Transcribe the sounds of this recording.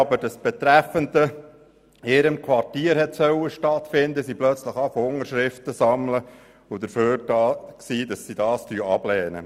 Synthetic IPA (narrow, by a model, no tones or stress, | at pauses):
ɑbəd̥ɑsb̥ɛt̪ɾæfənd̪ə | ɪɾəmkʰwɑrtiːəɾɦɛt̪sœwəʃtɑt̪fɪnd̪əsiplœt͡sləχɑfoʊŋəɾʃɾɪft̪əsɑmlə | ʊd̪əɾføːɾdɑksiːdɑsːid̥ɑːstyːɑb̥lɛːnə̰